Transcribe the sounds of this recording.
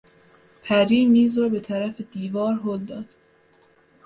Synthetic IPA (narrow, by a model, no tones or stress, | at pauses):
pʰæɾiːmiːzɾɒːbe̞t̪ʰæɾæfed̪iːvɒːɾɦoːld̪ɒːd̪̥